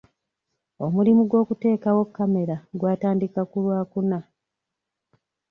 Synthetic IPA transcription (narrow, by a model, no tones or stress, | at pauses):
o̞mulimuɡwo̞ːkute̞ːkawo̞kːame̞ɾaɡwaːtaːndikakulwaːkuna